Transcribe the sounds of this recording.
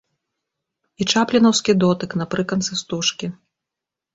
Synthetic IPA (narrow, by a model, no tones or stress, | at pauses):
it͡ʂaplʲinɐwskʲid̪ɔt̪ɨknɐpɾɨkɐnt̪sɨst̪uʂkʲi